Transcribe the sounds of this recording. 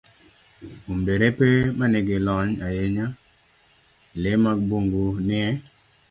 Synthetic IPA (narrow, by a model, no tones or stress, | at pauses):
umdeɾepemanɪɡɪlɔɲajeɲa | lɪmak̚boŋɡunɪɛ